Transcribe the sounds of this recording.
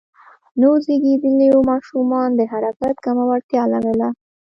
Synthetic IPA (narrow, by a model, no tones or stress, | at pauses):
nazeɡed̪əliomɑʃumɑnd̪əɦaɾakat̪kamawaɽt̪jɑlaɾəla